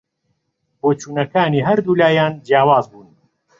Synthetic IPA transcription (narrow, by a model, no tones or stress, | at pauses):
boːt͡ʃuːnɐkaːniːɦɐɾd̪uːlaːjaːnd͡ʒjaːwaːzbuːn